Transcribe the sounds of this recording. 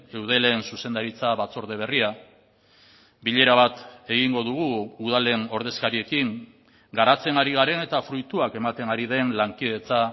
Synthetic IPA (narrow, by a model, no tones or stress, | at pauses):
e̞wð̞e̞le̞nsuse̞nd̪aɾit͡saβat͡so̞ɾð̞e̞β̞e̞ria | biʎe̞ɾaβat̪e̞ɣiŋɡo̞ðuɣuːðale̞no̞ɾð̞e̞skaɾie̞kiŋ | ɡaɾat͡se̞naɾiɣ̞aɾe̞ne̞t̪afɾujt̪uake̞mat̪e̞ŋaɾiðe̞nlaŋkið̞e̞t͡sa